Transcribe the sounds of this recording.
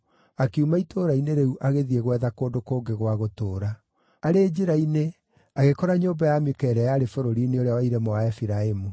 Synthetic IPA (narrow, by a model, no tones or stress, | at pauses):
akeumaitʰoːɾaineɾɛuʔaɣeðiɛɣwɛðakoːndokoːɡeɣwaɣotoːɾaː | ɾed͡ʑeɾaine | aɣekɔɾaɲoːbajamekɛɾɛjaɾefoɾoɾineoɾeawaiɾɛmɔaɛfiɾaemu